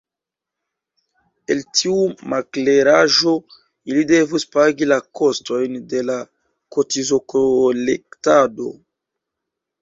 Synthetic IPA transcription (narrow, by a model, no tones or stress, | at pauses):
e̞ltʰiumakle̞ɾaʒo̞ | ilide̞vuspaɡilako̞sto̞jnde̞la | kotizokolektado̞̰